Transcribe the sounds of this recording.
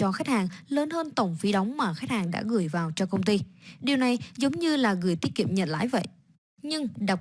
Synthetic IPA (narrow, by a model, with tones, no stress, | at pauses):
ɔ˧xa˦˥k̚haː˨˩ŋləː˨˧˦nhəː˧nt̪ə˨˩wŋ͡mfi˨˦ɗa˨˦wŋ͡mmaː˨˩xa˦˥k̚haː˨˩ŋɗa̰ː˧˥ɣɨ˨˧˩əjvaː˨˩wt͡ɕɔ˧kə˧wŋ͡mt̪i˧ɗi˨˩əwna˨˩jzə˨˦wŋ͡mɲɨ˧laː˨˩ɣɨ˨˧˩ət̪i˦˥t̚kḭ˧˨əmɲə̰˧˨n̚la̰ː˧˥jvə̰˧˨jʔ | ɲɨ˧ŋɗa˨˩w̚